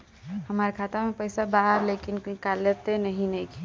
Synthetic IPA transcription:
ɦəmaɾekʰaːt̪amẽpəɪsabaɦəɾlekinkaljət̪enəɦĩnəɦĩkʰi

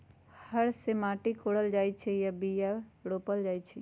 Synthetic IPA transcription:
hhəɽsemãːʈikoːɽəld͡ʒaːit͡ʃʰejabijaɽoːpəld͡ʒaːit͡ʃʰɛ

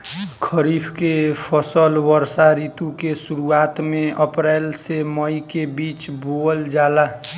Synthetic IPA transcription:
kʰəɾiːpʰkepʰəsəlʋəɾsaɾiːt̪ukesuɾuaːt̪mẽʔəpɾɛːlseməikebiːt͡ʃbold͡ʒaːla

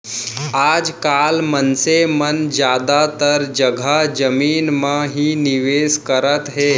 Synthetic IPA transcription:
aːd͡zkalmənsemənd͡ʑjad̪at̪əɾd͡ʒəɡʱad͡ʒəmiːnməɦiːniʋeskəɾət̪ɦe

